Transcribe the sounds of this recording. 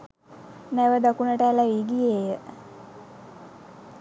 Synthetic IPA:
næʋəd̪akunəʈəælæʋiɡijejə

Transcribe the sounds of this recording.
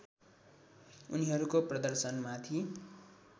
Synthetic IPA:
uniɦʌɾukoprʌd̪ʌrsʌnmat̪ʰi

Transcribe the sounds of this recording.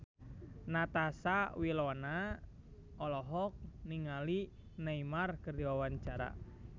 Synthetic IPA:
nat̪asawilɔna | ɔlɔɦɔk̚niŋali | naimarkɨrdiwawaɲt͡ʃaɾa̰

